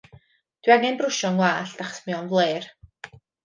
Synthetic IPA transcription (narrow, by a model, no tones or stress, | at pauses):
d̥wiaŋɛnbrʊʃɔŋwaːɬd̥aχsmiɔnvlˠeːr